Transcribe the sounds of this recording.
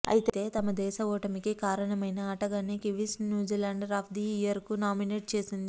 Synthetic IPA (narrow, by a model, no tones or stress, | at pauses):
ɐ̰jit̪t̪e̞ːt̪ɐmɐd̪ɛːʃɐɔːʈɐmikikaːɾɐɳɐmɐjnɐːʈɐɡanekiʋisnjuːd͡ʒilɐɳɖɾɐːpʰd̪iijɐɾkunaːmineːʈ̚t͡ʃe̞ːsind̪i